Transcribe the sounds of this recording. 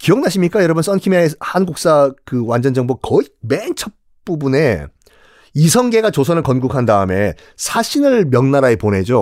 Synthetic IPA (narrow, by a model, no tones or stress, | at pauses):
kiʌŋnaɕʰimɲik͈ajʌɾʌbɯns͈ʌnkʰimeehanɡuk̚s͈akɯwand͡ʑʌnd͡ʑʌŋbokʌiment͡ɕʰʌ | p͈ubune̞ | isʰʌŋɡe̞ɡat͡ɕosʰʌnɯɭkʌnɡukʰandaɯme̞ | sʰaɕʰinɯɭmjʌŋnaɾaepone̞d͡ʑo